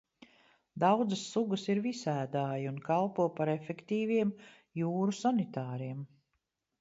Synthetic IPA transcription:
d̪awd̪zəsːuɡəsiɾvisæːd̪aːjunkalˠpuɔpaɾefekt̪iːviɛm | juːɾusanit̪aːɾiɛm

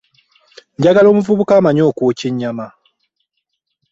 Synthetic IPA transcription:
ɲɟaɡalo̞ːmuvuβukaːmaɲo̞ːkwoːciɲːama

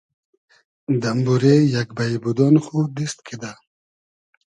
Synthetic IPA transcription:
d̪ambuɾejakbajbud̪ɔnχud̪ist̪kʰid̪a

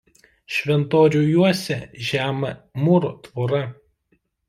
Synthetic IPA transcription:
ʃʲʋʲɛnt̪oːɾʲuːjuɔsʲɛʒʲæːmɐmʊɾot̪ʋoːɾɐ

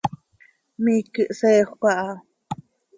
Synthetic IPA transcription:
mikɨʔseːχʷkʷaʔa

